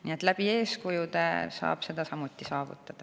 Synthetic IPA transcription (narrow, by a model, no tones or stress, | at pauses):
nie̞t̪læb̥ie̞ːskujud̪ḛsɑ̰ːb̥se̞d̪̥ɑsɑmut̪ːˑisɑːvṵt̪ːˑɑd̪̥ɑ